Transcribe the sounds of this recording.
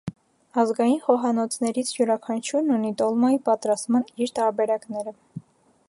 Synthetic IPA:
ɑzɡɑjinχɔɦɑnɔt͡sʰnɛɾit͡sʰjuɾɑkʰɑnt͡ʃʰuɾnunit̪ɔlmɔipɑt̪ɾɑst̪mɑniɾt̪ɑɾbɛɾɑknɛɾə

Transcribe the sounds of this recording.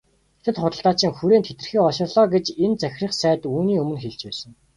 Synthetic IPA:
t̪ʰɘ̆t̪χʊt̪ə̆ɬt̪aːt͡ɕɪ̆ŋxuɾeːnt̪ʰet̪ɘ̆rxiːɔʃɪ̆rɮɔːɡet͡ɕent͡sæxʲriːχsæːt̪uːniːɵmɵ̆nxeɮt͡ɕpæːsə̆ŋ

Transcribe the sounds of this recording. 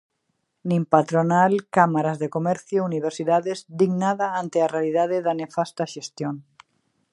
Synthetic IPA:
nĩmpat̪ɾonalkamaɾazðekomɛɾθjouniβ̞eɾsiðaðezd̪iɡnaðaant̪earealiðaðeðanefast̪aʃest̪joŋ

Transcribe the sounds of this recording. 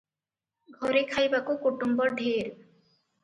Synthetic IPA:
ɡʱɔɾekʰajbakokoʈumbɔɾɖʱeɾ

